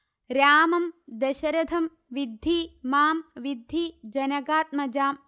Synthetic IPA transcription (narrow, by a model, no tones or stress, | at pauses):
ɾjaːmɐmd̪ɐʃɐɾɐd̪ʰʱɐm | ʋid̪ʱːiːmaːmʋid̪ʱːiːd͡ʒɐnɐɡaːt̪̚mɐd͡ʒaːm